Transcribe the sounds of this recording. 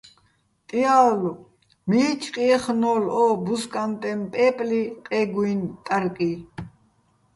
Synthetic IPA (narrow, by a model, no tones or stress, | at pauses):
t̪ʼiaːlu | miːt͡ʃʰʼqʼiɛχnɔːlɔbuskʼant̪ʼɛmpʼɛːpʼliqʼɛɡuint̪ʼaɾkʼi